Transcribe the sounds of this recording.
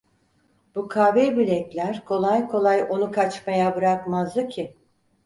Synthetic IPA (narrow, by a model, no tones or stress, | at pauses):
b̥ukʰaːvebilʲɛclʲæɾkʰo̞lˠajkʰo̞lˠajo̞nukʰat͡ʃmajabɯɾakmazd̪ˠɯcʰɪ